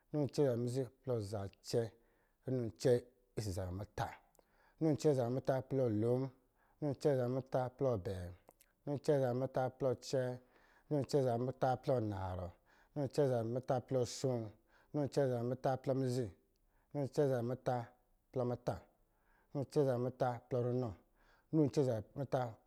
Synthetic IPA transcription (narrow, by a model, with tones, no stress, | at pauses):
nu˦˨t͡ʃɛ˦˨za˨mi˦zi˦plɔ˦˨za˨t͡ʃɛ˦˨ | i˦nu˦˧n˨t͡ʃɛ˦ | i˦s̬i˨za˨ɾɔ˨mi˦ta˦ | nu˦n˨t͡ʃɛ˦za˨mu˦ta˦plɔ˦˨lo˨˦m˦ | nu˦n˨t͡ʃɛ˦˨za˨mi˦ta˦plɔ˧˨bɛ˨˦ | nu˦˨t͡ʃɛ˦˨za˨mi˦ta˦plɔ˦t͡ʃɛ˦ | nu˦˨t͡ʃɛ˦˨za˨mi˦ta˦plɔ˦˨na̰˨ɾɔ̰˨ | nu˦n˨t͡ʃɛ˦za˨mi˦ta˦plɔ˦˨su˦n˦ | nu˦n̩˨˦t͡ʃɛ˦˨za˨mi˦ta˦plɔ˦mi˦zi˦˨˦ | nu˦n̩˨t͡ʃɛ˦za˨mi˦ta˦ | plɔ˧mi˦ta˦ | nu˦n̩˨t͡ʃɛ˦za˨mi˦ta˦plɔ˦ɾu˦nɔ˦ | nu˦˨t͡ʃɛ˦za˨mi˦ta˦